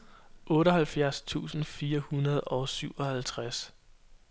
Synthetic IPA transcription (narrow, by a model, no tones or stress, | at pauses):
ʔɔ̽ːɾəɦælfjæɐst͡sʰṵːsn̩fiːɐhunɐð̞̩ˠɒ̽syʊ̰ɒ̽hælt͡sʰʁas